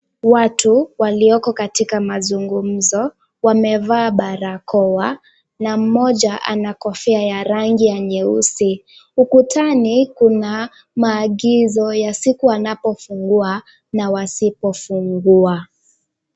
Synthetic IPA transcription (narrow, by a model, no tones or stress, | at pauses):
watuwaliɔkɔkatikamazuŋɡum̩zɔ | wamɛvaːɓaɾakɔwa | nam̩mɔʄaʔa̰nakɔfɛajaɾaŋɡiaɲɛusiukutʰanikuna | maːɠizɔjasikuanapɔfuŋɡua | nawasipɔfuŋɡua